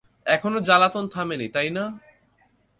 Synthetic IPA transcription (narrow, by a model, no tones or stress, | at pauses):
ɛkʰonod͡ʑalat̪ont̪ʰamenit̪ajna